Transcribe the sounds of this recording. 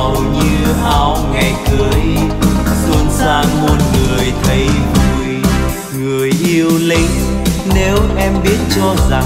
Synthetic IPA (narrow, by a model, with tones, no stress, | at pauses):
wɲɨ˧ʔaː˧wŋa˨˩jkɨ˨˩əʔi˧zu˧ənsaː˧ŋo˧nŋɨ˨˩əjt̪ʰə˨˦jzu˨˩j | ŋɨ˨˩əjʔi˧əwlï˧ŋ | ne˨˦wʔɛ˧mɓi˦˥ət̚t͡ɕɔ˧za˨˩